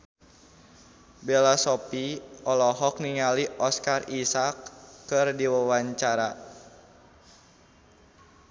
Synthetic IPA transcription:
belasɔpiɔlɔɦɔk̚niŋaliʔɔskarisakːɨrdiwawaɲt͡ʃaɾa

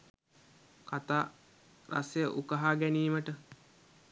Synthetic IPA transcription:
kat̪aː | ra̰sejəʔukəɦaːɡæniːməʈə

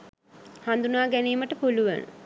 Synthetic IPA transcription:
hand̪unaːɡæniːməʈəpuluʋə̰nə̰

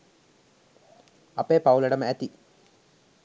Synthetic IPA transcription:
ɐpeːpɐwlɐɽɐmæt̪i

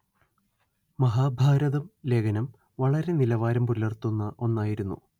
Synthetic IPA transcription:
mɐɦaːbʱaːɾɐðɐmle̞ːɡʰɐnɐm | ʋɐɭɐɾe̞nilɐʋaːɾɐmpulɐrt̪ːunːɐʔo̞nːaːjiɾunːṵ

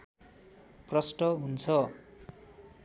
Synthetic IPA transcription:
prʌsʈʌɦunt͡sʰʌ

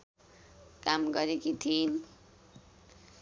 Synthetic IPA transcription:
kamɡʌɾekit̪ʰin

